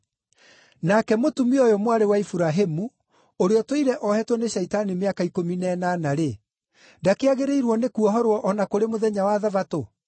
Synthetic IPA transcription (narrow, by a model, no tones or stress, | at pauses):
nakɛmotumiɔjɔmwaɾewaifuɾaɦemu | oɾeɔtwiɾɛʔɔhɛtwɔneɕɛitanimeakaikominɛnanaɾe | ndakeaɣeɾeiɾwɔnekuɔɦɔɾwɔʔɔnakoɾemoðɛɲawaðavato